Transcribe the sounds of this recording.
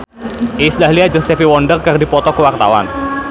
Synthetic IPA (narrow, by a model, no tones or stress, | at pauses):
ʔisdaɦliad͡ʒɔst̪ɛfiwɔndərkərdipɔt̪ɔkəwart̪a̰wa̰n